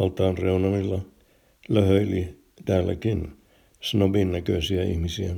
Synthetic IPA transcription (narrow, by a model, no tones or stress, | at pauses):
ɑlt̪ɑːnreunɑmilːɑ | løhøili | t̪æːlːæ̰kin | snoʋinnækøisiæḭhmisiæ